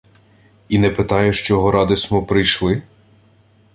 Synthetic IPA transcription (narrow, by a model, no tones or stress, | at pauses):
inɛpɪt̪ɑjɛʃt͡ʃɔɦɔɾʔɑd̪ɪsʲmɔpɾɪjʃlˠɪ